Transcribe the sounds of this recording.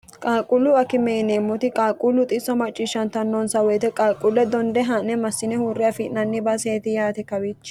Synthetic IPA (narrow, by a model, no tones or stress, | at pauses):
kʼaːkʼʊlːʊɐkɪmɛjneːmːɔt̪ɪkʼaːkʼʊlːʊt̪ʼɪsːɔmɐt͡ʃʼːiːʃːɐnt̪ɐnːɔnsɐwɔjt̪ɛkʼaːkʼːʊlːɛd̪ɔnd̪ɛɦɐnːɛmɐsːɪnɛhuːrːɪjɐfɪʔnɐnːɪbɐseːt̪ɪjaːt̪ɛkɐwiːt͡ʃː